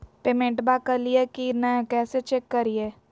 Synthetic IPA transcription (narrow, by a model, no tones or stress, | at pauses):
peːmẽɳʈbakəɾliekinɛ̃kɛːset͡ʃekːəɾie